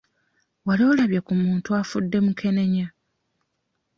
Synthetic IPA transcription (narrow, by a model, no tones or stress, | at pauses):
waliolaβjekumuːntuafudːe̞mukʰe̞ne̞ɲa